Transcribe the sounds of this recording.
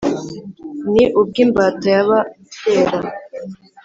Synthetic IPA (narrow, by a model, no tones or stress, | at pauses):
niʔub̚ɡimbaːtojaβa | teːɾa